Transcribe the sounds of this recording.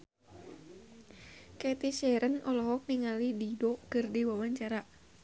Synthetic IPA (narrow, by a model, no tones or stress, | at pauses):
kɛt̪isɛɾənʔɔlɔɦɔk̚niŋalididɔkərdiwawaɲt͡ʃaɾa